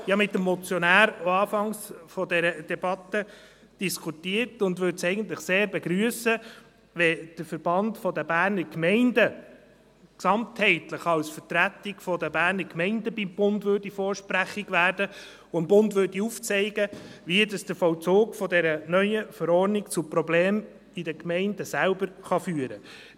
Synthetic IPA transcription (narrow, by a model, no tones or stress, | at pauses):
ɪɑmɪtːəmːɔt͡sjɔnæːɾoɑːfɑŋsfɔdɛɾəd̥ɛbɑt̪ə | d̥iskʰutiːəɾtʊndʋʏɾtsɛɪɡəntləχseːɾbɛɡɾyəsə | ʋɛd̥əfəɾb̥ɑndfɔdəbæːɾnəɾkmɛɪndə | ksɑmt̪hɛɪtləχɑwsfətɾæt̪ɪɡfɔdəbæːɾnəɾkmɛɪndəbimb̥ʊndʋøːɾdifɔːɾʃpɾæχiɡʋæːɾd̥ə | ʊəmbʊndʋʏɾdiuft͡sɛɪɡəʋidɑsd̥əfɔwt͡soːɡfɔdɛɾənœʏjəfəɾɔɾnɪkt͡supɾɔbleːm | idəkmɛɪndəsælbəɾχɑfyːəɾə